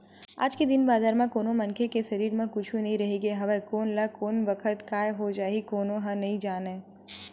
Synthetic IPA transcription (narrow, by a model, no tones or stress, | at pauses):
a̰ːd͡ʒked̪ɪnbaːzaːɾmãkoːnomɐ̃nkʰekeʃɐɾiːɾmẽkʊt͡ʃʰunɐɦĩɾɐɦeːɡeɦɐʋɛkoːnlakoːnbɐkʰət̪kaːjɦod͡ʒaːɦikoːnoɦɐ̃nɐɦĩd͡ʒaːneː